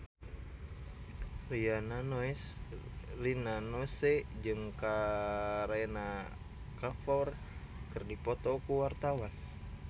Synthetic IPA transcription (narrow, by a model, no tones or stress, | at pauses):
riananoɛs | rinanosɛd͡ʒɨŋka | ɾena | kafɔr | kɨrdipɔt̪ɔkuwart̪awan